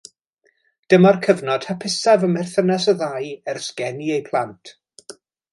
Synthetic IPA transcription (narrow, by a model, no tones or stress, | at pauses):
d̥əmarkʰəvnɔd̥hapʰɪsavəmɛrθənasəðajɛrsɡɛniejpʰlˠantʰ